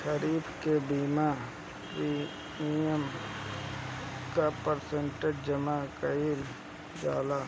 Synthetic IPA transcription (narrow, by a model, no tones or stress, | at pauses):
ʃəɾiːbkebiːma | ɾi | iəm | kapəɾsẽɳʈed͡ʒd͡ʒəmakəil | d͡ʒaːlaː